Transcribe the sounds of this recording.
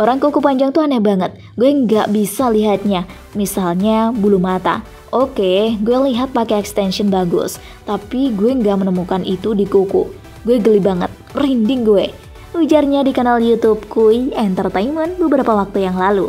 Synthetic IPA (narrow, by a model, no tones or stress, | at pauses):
ʔoɾaŋkukupaɲd͡ʒaŋt̪uanabaŋət̪̚ | ɡuɛŋɡaʔbisaliɦat̪̚ɲa | misalɲabulumat̪a̰ | ʔokeɡuɛliɦat̪̚pakeɛkst̪ɛnʃənbaɡʊ̰s | t̪apiɡuɛŋɡaʔmənəmukanʔit̪udikuku | ɡuɛɡəlibaŋət̪̚rindɪŋɡue | nwid͡ʒarɲadikanaljut̪ub̚kuiɛnt̪ərt̪aimənbəbəɾapawak̚t̪ujaŋlalu